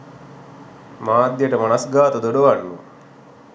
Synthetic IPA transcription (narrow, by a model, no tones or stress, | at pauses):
maːd̪jəʈəmanasɡaːt̪əd̪oɖoʋanːṵ